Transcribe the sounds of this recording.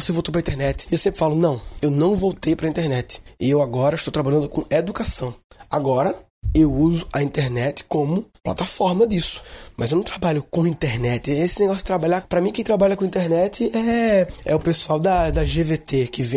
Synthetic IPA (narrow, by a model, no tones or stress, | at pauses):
osevowt̪owpɾĩt̪eɾnɛt̪ɪ̥ewsẽpɾɪfalʊnɐ̃w̃ewnɐ̃w̃vowt̪ejpɾɐĩt̪eɾnɛt̪ɪ̥ɪewaɡɔɾɐɪʃt̪owt̪ɾabaʎɐ̃nd̪ʊkõed̪ukasɐ̃w̃aɡɔɾɐ | ewuzʊɐĩt̪eɾnɛt̪ɪ̥kõmʊpla̰t̪afɔɾmɐd̪isʊ̥mɐzewnɐ̃w̃t̪ɾabaʎʊkõĩnt̪eɾnɛt̪ɪesɪneɡɔsʊ̥t̪ɾabaʎapɾɐmĩkẽt̪ɾabaʎɐkõĩt̪eɾnɛt̪ɪʔɛɛ̰ʊpesuawd̪ɐd̪ɐʒevet̪ekɪvẽ